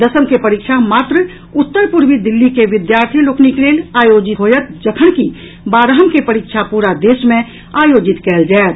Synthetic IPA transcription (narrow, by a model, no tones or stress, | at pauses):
d̪əsəmkepəɾikʃʰamaːt̪ɾə | ʊt̪ːəɾpuɾʋid̪ɪlːikeʋɪd̪jaːɾt̪ʰiloːknikleːlaːjoːd͡ʒɪt̪ɦojət̪̚d͡ʒəkʰəɽ̃ki | baːɾəɦəmkepəɾikʃʰapuːɾad̪eːʃmẽ | aːjoːd͡ʒɪt̪kɛːld͡ʒaet̪